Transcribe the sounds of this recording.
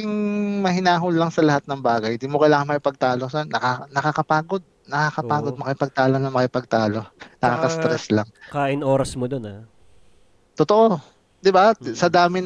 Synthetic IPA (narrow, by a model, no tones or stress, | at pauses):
ɪŋmɐhɪnaːɦʊlːɐŋsɐlɐhat̪̚nɐŋbaːɡɐjd̪iːmokɐjlaːŋɐnmɐkɪpɐɡ̚t̪aːlosɛnnːɐkanɐkakɐpaːɡo̞d̪̚nɐkakɐpaːɡod̪̚mɐkɪpɐɡ̚t̪aːlonɐŋmɐkɪpɐɡ̚t̪aːlonɐkakɐst̪ɾɛslaŋkaːʔɪnoːɾɐsmod̪ona | t̪ot̪oʔo | d̪ɪbasɐd̪aːmɪn